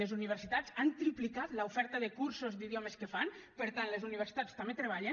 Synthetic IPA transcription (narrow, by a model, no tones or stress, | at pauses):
ezuniβ̞əɾsit̪at͡sant̪ɾiplikat̪laufɛɾt̪əðəkuɾsozd̪iðjɔməskəfanpəɾt̪anlezuniβeɾsi̥t̪at͡st̪ambet̪ɾeβ̞aʎə